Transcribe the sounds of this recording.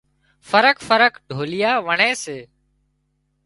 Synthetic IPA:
fəɾəkfəɾəkɖʱoːlɪjaːʋəɳeːseː

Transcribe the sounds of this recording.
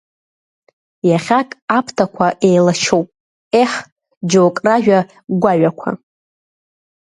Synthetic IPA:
jaχʲakʼapʰtʰakʷʰaʔe̞jlaʃʰowpʼ | eħ | d͡ʒowkʼraʒᶣa | ɡʷaɥakʷʰa̰

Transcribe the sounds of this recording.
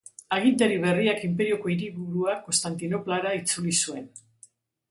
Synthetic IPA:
aɣ̞int̪eɾiβ̞e̞riakimpe̞ɾio̞ko̞iɾiβuɾuako̞st̪ant̪ino̞plaɾait͡sulisue̞n

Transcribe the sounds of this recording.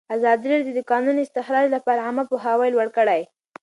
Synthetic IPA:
azɑd̪iɾeɽd̪əd̪ʊkɑnunɪst̪ɪxɾɑd͡ʒlapɑɾaamapoɦawəjlwaɽkəɽaj

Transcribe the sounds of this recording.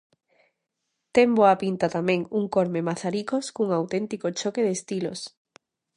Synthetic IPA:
t̪emboapint̪at̪amẽŋuŋkoɾmemaθaɾikoskuŋawt̪ent̪ikot͡ʃokeðest̪ilo̰s

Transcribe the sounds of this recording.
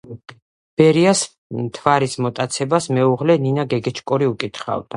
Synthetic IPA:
b̥ɛɾias | t̪ʰvaɾismɔt̪ʼat̪sʰɛbasmɛuʁlɛninaɡɛɡɛt͡ʃʰkʼɔɾiukʼit̪χa̰vd̪̥a

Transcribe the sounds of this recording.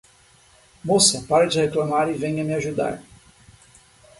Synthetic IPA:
mosɐpaɾɐd͡ʒɪheklamaɾɪvẽɲ̃ɐmɪaʒud̪a̰ɾ

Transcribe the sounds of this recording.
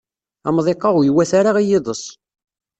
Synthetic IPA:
ɑmðˤeqːɑʁjwæθaɾaʁijɪðˤəsˤ

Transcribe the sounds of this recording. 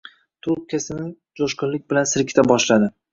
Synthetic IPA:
t̪ʰʊɾp̚kʲʰasɪnɪŋ | d͡ʒoʃqʊnlɪkʲbɪlansɪɾkʲʰɪt̪abɒʃlad̪ɪ

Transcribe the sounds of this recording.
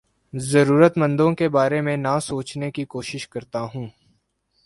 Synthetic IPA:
zɐɾuːɾət̪mɐ̃nd̪õkebaːɾẽmẽnasoːt͡ʃnekikoːʃɪʃkɐɾt̪aɦũː

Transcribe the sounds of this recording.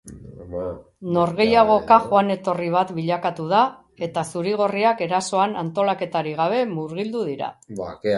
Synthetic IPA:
no̞ɾɣe̞jaɣ̞o̞kaʝoane̞t̪o̞riβ̞at̪biʎakat̪uð̞a | e̞t̪asuɾiɣ̞o̞riake̞ɾaso̞anant̪o̞lake̞t̪aɾiɣ̞aβ̞e̞muɾɣ̞ild̪uð̞iɾa̰bake

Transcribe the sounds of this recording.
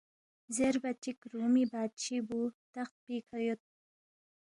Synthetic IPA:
zeɾbat͡ʃikɾumibaːt̪̚t͡ʃibut̪axt̪̚pikʰajot̪̚

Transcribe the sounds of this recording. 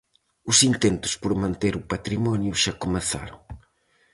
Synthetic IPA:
ʊsint̪ent̪ʊ̥spoɾmãnt̪eɾʊpat̪ɾimɔnjʊʃakomeθa̰ɾo̰ŋ

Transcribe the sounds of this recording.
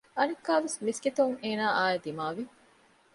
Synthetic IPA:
ɐnɐkːaːʋesmisɡit̪ɐuŋeːnaːʔaːed̪imaːʋi

